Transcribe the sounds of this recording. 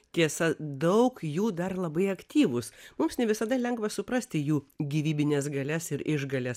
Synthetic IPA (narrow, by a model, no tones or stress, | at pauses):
t̪ʲiɛsɐd̪ɐʊkjuːd̪ɐrlˠɐbɐɪɐkt̪ʲiːʋʊsmʊmsnʲɛʋʲɪsɐd̪ɐlʲɛŋɡʋɐsʊpɾɐsʲt̪ʲɪjuːɡʲiːʋʲiːbʲɪnʲɛsɡɐlʲɛsɪɾɪʒɡɐlʲɛs